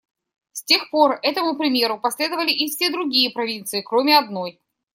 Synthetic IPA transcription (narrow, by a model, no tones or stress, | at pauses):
sʲtʲe̞xpo̞rɛt̪əmʊpɾʲɪmʲe̞ɾʊpɐsʲlʲe̞d̪əvəlʲɪʔɪfsʲe̞d̪ɾʊɡʲijəpɾɐvʲint̪sɨɪkɾomʲɪɐd̪no̞j